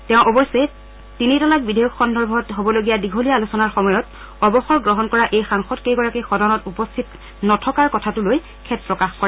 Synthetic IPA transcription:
tɛ̃ʊ̃ʔɔbɔsɛ | tinitɔlak̚bidʱejɔkxɔndʱɔɹbʱɔtɦobɔloɡijadiɡʱolijaːlusɔnaɹxɔmɔjɔt | ɔbɔxɔɹɡɹɔɦɔnkɔɹaʔejxaŋxɔtkejɡɔɹakixɔdɔnɔtupɔstʰit | nɔtʰɔkaɹkɔtʰatʊloj | kʰɛt̚pɹɔkaxkɔɹɛ

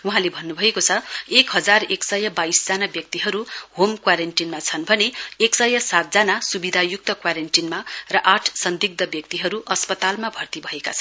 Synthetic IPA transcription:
uɦãlebʱʌnːubʱʌekot͡sʰʌekɦʌd͡zareksʌjʌbaisd͡zanabjʌk̚t̪iɦʌɾuɦomkwaɾenʈinmat͡sʰʌnbʱʌneeksʌjʌsat̪̚d͡zanasubid̪ʱajuk̚t̪ʌkwaɾenʈinmarʌʔaʈʰsʌnd̪iɡ̚d̪ʌbjʌk̚t̪iɦʌɾuʔʌspʌt̪almabʱʌrt̪ibʱʌekat͡sʰʌn

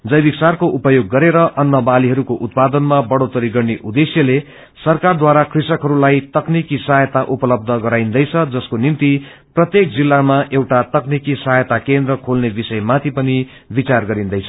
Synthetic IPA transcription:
d͡zʌjbiksarkoʔupʌjoɡːʌɾeɾʌʔʌnːʌbaliɦʌɾukoʔut̪̚pad̪ʌnmabʌɽot̪ʌɾiɡʌrneʔud̪esjʌle | sʌrkard̪waɾakʰrisʌkɦʌɾulajt̪ʌknikisaɦjʌt̪aʔupʌlʌb̚d̪ʱʌɡʌɾajnd̪ʌjt͡sʰʌd͡zʌskonint̪i | prʌt̪jek̚d͡zilːamaʔewʈat̪ʌknikisaɦjʌt̪akend̪rʌkʰolnebisʌjmat̪ʰipʌni | bit͡sarɡʌɾind̪ʌjt͡sʰʌ

